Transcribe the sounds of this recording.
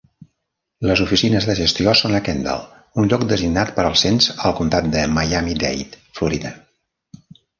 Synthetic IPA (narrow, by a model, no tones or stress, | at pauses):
ləzufisinəzðəʒəst̪iosonəkɛnd̪ə̰lˠ | unʎɔkd̪əziɡnat̪pəɾəlˠsenzəlˠkunt̪at̪̚d̪əməjamid̪ɛ̰jt̪ | fluɾiðə